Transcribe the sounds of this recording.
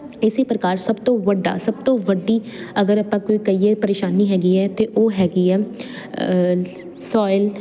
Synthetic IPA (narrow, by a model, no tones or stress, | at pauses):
ɪsiːpəɾəkaːɾsəbt̪õːʋəɖːa̰ːsəbt̪õːʋəɖiːəɡəɾəpãːkoːiːkəiːeːpəɾeːʃaːniːɦɛːɡiːɛːt̪eːʔoːɦɛːɡiːɛː | sɔːɪl